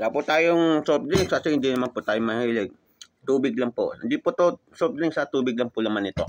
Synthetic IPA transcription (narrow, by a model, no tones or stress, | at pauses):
lapʊt̪aːjoŋsop̚d̪ɾɪŋsasɪhɪnd̪inɐmanpʊt̪aːjoŋmɐhiːlɛɡ̚ | t̪uːbɪɡ̚lɐŋpoʔɪnd̪ipʊt̪o | sop̚d̪ɾɪŋksɐt̪uːbɪɡ̚lɐŋpʊʔlɐmanɪt̪o̞